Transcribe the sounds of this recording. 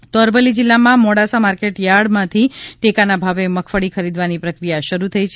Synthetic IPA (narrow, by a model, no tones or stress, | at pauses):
t̪oəɾʋəlːid͡ʒɪlːamãmoɽasamaɾkeʈjaɽmãt̪ʰiʈekanabʱaʋeməkʰfəɽikʰəɾid̪ʋanipɾəkɾijaʃəɾut̪ʰəit͡ʃʰ